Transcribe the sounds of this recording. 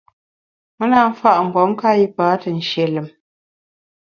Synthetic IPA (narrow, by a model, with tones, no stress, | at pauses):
mə˦na˦m̩˦fa˦ʔŋ̩˨ɡɔ˨˦mka˦ji˦paː˨˦tə˨n̩˨ʃe˨lɨ˨m